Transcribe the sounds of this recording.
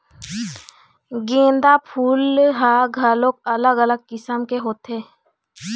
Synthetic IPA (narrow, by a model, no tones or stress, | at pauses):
ɡẽːnd̪apʰuːlɦaɡʱaːlokələɡələɡ̚kɪsəmkeɦoːt̪eː